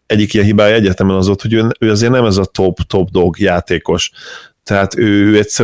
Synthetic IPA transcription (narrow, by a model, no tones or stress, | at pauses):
ɛɟːikijɛnɦibaːjɒɛɟːɛt̪ɛmɛnɒzot̪ho̞ɟøːnøːɒzeːrnɛmɛzɒt̪o̞bt̪obd̪o̞ɡjaːt̪eːko̞ʃt̪ɛɦaːt̪øːøːɛcʲsɛ